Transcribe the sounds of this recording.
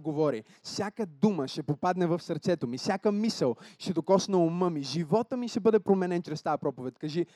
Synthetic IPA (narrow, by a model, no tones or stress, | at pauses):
ɡovɔɾḭ | fsʲjakəd̪uməʃɛpopad̪nɛvɐfsɐɾt̪sɛt̪omifsʲjakəmisəlˠʃt̪ɛd̪okɔsnɐoməmiʒivɔt̪əmiʃɛbɤd̪ɛpɾomɛnɛnt͡ʃɾɛst̪ajəɐpɾɔpovɛt̪ʲkɐʒi